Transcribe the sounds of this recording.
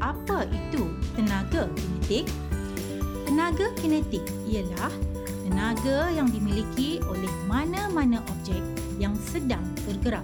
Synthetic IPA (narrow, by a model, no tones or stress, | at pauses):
ʔapaʔit̪ut̪ənãɡakənɛt̪ɪk̚ | t̪ənãɡakənɛ̃t̪ɪk̚ | ijəlah | t̪ənãɡajaŋdimilikʰiʔolɛhmãnãmãnãʔɔb̚d͡ʒɛk̚ | jaŋsədaŋt̪ərɡəɾap̚